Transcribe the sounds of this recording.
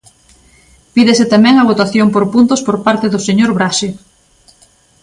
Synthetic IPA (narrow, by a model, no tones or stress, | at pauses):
piðesɪt̪amɛ̃ŋɐβ̞ot̪aθjompoɾpunt̪ʊspoɾpaɾt̪eðʊseɲoɾβɾaʃe